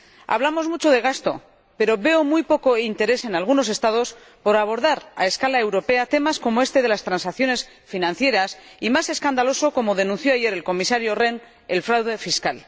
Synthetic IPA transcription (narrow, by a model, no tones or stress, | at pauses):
a̰βlamo̞zmut͡ʃo̞ðe̞ɣ̞ast̪o̞̰ | pe̞ɾo̞βe̞omujpo̞ko̞int̪e̞ɾe̞se̞nalɣ̞uno̞s̬e̞st̪að̞o̞s | po̞ɾaβ̞o̞ɾðaɾa̰e̞skalae̞wɾo̞pe̞at̪e̞masko̞moe̞st̪e̞ðe̞last̪ɾansakθjone̞s | finãnθje̞ɾas | imase̞skand̪alo̞so̞ko̞mo̞ðe̞nũnθjo̞aʝe̞ɾe̞lko̞misaɾjo̞re̞n | e̞lfɾawðe̞fiskal